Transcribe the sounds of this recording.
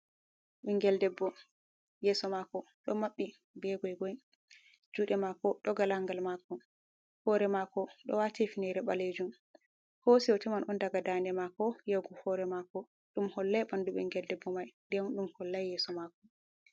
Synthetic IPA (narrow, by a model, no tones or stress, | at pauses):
ɓɛŋɡɛldɛbːɔ | jɛsɔmakɔɗɔmaɓːi | bɛɡɔjɡɔj | d͡ʒuːɗɛmakɔɗɔɡalaŋɡalmakɔ | fɔɾɛmakɔɗɔ̰watɛfinɛɾɛɓaled͡ʒum | hosiɔtɛmanʔɔndaɡadandɛmakɔjawɡufɔɾɛmakɔ | ɗumhɔlːɛjɓanduɓɛŋɡɛldɛbːɔmajndɛwɗumhɔlːajjɛsɔmakɔ